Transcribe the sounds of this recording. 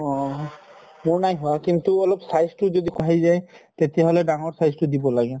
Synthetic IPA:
ɔ | moɹnajɦʊakint̪uɔlɔpsajzʈud͡ʒɔd̪ikaɦajzajt̪et̪ijaɦɔleɖaŋɔɹsajztud̪ibɔlaɡe

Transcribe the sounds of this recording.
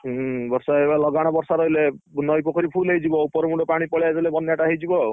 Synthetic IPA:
ɦbɔɾsaebalɔɡaɽ̃ɔbɔɾsaɾɔɦilenɔjkɔkɔɾipʰulejd͡ʒibɔupɔɾɔmuɖɔpaɽ̃ipɔɭjaezɔlebɔnjaʈaɦejd͡ʒibɔ

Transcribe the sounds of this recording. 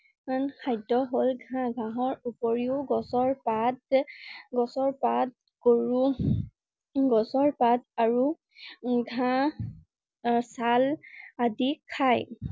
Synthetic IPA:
ankʰajdɔɦolɡʱãɡʱãɦɔɹupɔɹiʊɡɔsɔɹpat̚ | ɡɔsɔɹpat̚ | koɹu | ɡɔsɔɹpataɹu | ɡʱã | saladikʰaj

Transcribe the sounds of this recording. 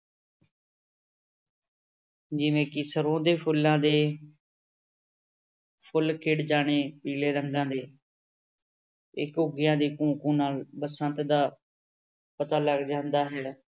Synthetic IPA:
d͡ʒɪʋẽːkɪsəɾõːd̪eːpʰʊlːãːd̪eː | pʰʊlkʰeːɽd͡ʒaːɽ̃eːpiːleːɾəŋɡãːd̪eː | ɪkʊɡɪjãːd̪iːkũːkũːnaːlbəsənt̪d̪aː | pət̪aːləɡd͡ʒãːnd̪aːɦɛː

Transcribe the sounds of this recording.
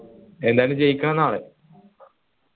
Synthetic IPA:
e̞nd̪aːlɨmt͡ɕejikʲːɐɳɐnaːɭe

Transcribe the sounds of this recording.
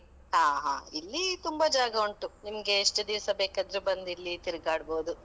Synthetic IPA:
ɦaːɦa̰ːilːit̪umbɐd͡ʒaːɡɐuɳʈunimɐɡe̞ːʂʈɐd̪iʋsɐbeːkad̪ɾubɐnd̪ilːit̪iɾɡaːɽbo̞ːd̪u

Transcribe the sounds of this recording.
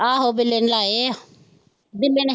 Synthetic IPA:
aːɦoːbɪlːenlaːe | bɪlːen

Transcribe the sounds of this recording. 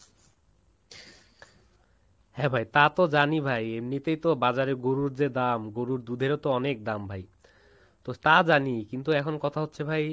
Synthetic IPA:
hɛ̃bʱajt̪at̪od͡ʑanibʱajemnit̪ejt̪obad͡ʑaɾeɡoɾuɾd͡ʑed̪amɡoɾuɾd̪ud̪ʱeɾot̪oɔnek̚d̪ambʱaj | t̪ot̪ad͡ʑanikint̪uɛkʰonkɔt̪ʰaɦot̪ːɕʰebʱaj

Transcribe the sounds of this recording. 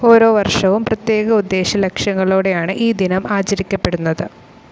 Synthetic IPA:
o̞ːɾo̞ːʋɐrʂɐʋumprɐt̪je̞ːɣɐud̪ːe̞ːɕɐlekʂɐŋːɐɭoːɽe̞jaːɳɨʔiːd̪inɐmaːt͡ɕɐɾikʲːɐpːe̞ɽunːɐðɨ

